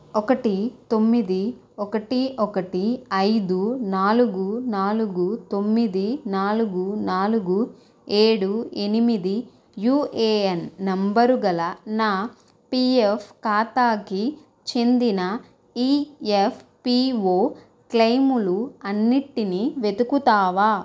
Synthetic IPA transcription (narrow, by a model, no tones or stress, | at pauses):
ɔkɐʈit̪o̞mːid̪i | ɔkɐʈiʔɔkɐʈiɐjd̪unaːluɡunaːluɡut̪o̞mːid̪inaːluɡunaːluɡu | e̞ːɽue̞nimid̪i | juːʔeːɐnːɐmbɐɾuɡɐlɐnaː | piːepkaːt̪aːki | t͡ʃe̞nd̪inɐ | iːefʰpiːʋoː | klɐjmuluɐnːiʈːiniʋe̞t̪ukut̪aːʋaː